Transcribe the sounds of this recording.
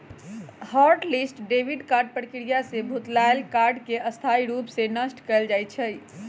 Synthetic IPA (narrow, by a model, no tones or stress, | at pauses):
hɔɾʈlisʈɖebʱiɖkaɾɖ̚pɾəkɾijasebʱut̪laelkaɾɖkeəst̪ʰaiɾupsenəsʈkəeld͡ʒajt͡ʃʰəj